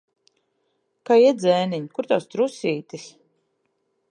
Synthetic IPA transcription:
kajid̪zɛːniɲkuɾt̪ast̪ɾusiːt̪is

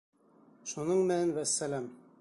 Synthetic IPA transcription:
ʃunɤɴmɘnænvæsːælæm

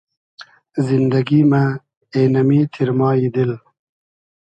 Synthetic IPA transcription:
zind̪ɐɡima | eːnɐmiːt̪ʰiɾmɑːid̪il

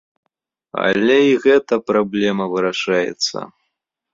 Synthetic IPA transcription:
ɐ̰lʲɛiɣɛt̪ɐpɾablʲɛmɐvɨɾaʂajɛ̰t̪sɐ̰

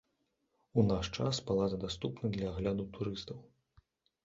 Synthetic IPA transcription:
unaʂt͡ʂasbalˠazɐd̪ast̪upnɐd̪lʲɐːɣlʲad̪ut̪uɾɨst̪ɐw

